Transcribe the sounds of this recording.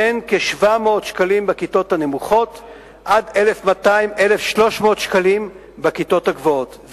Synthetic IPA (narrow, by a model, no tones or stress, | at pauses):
enkeʃvamo̞ːtʃkalimbekito̞thane̞muχo̞t | ʔade̞le̞fmataimʔe̞lefʃlo̞ʃmo̞ːt̪ʃkalim | bekito̞taɡvootv